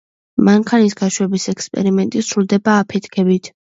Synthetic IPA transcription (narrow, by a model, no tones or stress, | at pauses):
maŋkʰanisɡaʃwɛbisɛkʰspʼɛ̰ɾimɛnt̪ʼisɾulˠd̪ɛbaːpʰɛt̪ʰkʰɛbit̪ʰ